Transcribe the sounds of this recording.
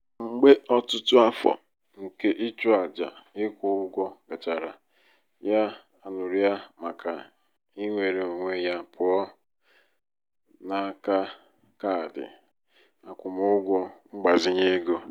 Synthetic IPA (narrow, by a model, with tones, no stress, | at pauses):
ŋ͡m̩˨ɡ͡be˦ʔɔ˦tʊ˦tʊ˦a˦fɔ̰˨ | ŋ̩˨ke˦ʔɪ˦t͡ʃu˦a˨d͡ʒa̰˨ɪ˦kʷʊ˦ʊ˦ɡʷɔ˦ɡa˨t͡ʃa˨ɾa˨ | ja˦ | a˨nʊ˨ɾi˦a˦ma˨ka˨ | i˦ŋʷe˨ɾe˨o˨ŋʷe˦ja˦pʊ˨ɔ˦ | na˨ka˦ | ka˦˨dɪ̰˨ | a˨kʷʊ˨mʊ˦ɡʷɔ˦ŋ͡m̩˦ɡ͡ba˨zɪ˦ɲe˦ɡo˦